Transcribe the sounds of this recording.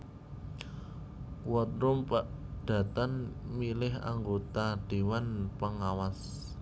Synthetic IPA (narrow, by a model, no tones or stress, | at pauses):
wɔt̪ɾʊmpad̥ä̤t̪anmilɪɦa̰ŋɡot̪ad̪̥e̤wanpəŋawas